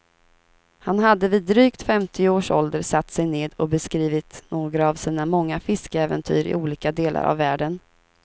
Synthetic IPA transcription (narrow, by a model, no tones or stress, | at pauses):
hanɦad̪ːəviːd̪ːɾyːkt̪fɛmt̪ʰɪʊoːʂɔld̪əɾsat̪ːsɛjneːd̪ɔbɛskɾiːvɪt̪noːɡɾaːvsiːnamɔŋːafɪskəɛːvɛnt̪ʰy̰ːɾɪ̰ʔuːliːkad̪eːlʔa̰ɾʔa̰vːæːɖən